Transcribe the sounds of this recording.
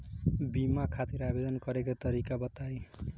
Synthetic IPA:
bimakʰat̪iɾabed̪ʌnkʌɾekot̪ʌɾikabʌt̪aj

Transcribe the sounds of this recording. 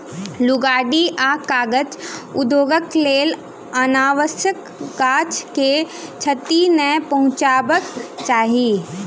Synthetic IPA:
lʊɡaːɖiʔaːkaːɡət͡ʃʊd̪joːɡəkleːl | ənaːʋəsjəkː | aːt͡ʃke | t͡ʃʰət̪inəpɐɦʊ̃t͡ʃaːbəkt͡ʃaːɦi

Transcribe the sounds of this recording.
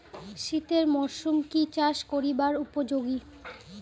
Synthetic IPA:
ʃit̪eɾmoʃumkit͡ɕaʃkoɾibaɾupod͡ʑoɡi

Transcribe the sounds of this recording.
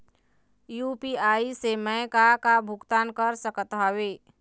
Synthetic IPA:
jupiaːisemɛ̃kakabʱʊɡt̪aːnkəɾsəkət̪ɦɔweː

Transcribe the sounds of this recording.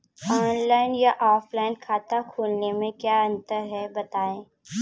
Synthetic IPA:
ɔːnlaːɪnjaʔɔːplaːɪnkʰaːt̪akʰuːlnemẽkjaːɐ̃nt̪əɾɦɛbɐt̪aːẽː

